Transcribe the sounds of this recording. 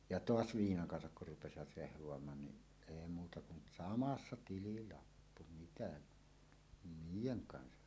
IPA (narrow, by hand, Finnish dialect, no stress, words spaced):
jɑ toɑs ʋiːnɑŋ kɑnsɑk kur rupesiʋɑt rehʋˑoɑmɑːn ni eˑi muːtɑ kun sɑmɑsːɑ tililɑpːu mitæ niːjeŋ kɑnsɑ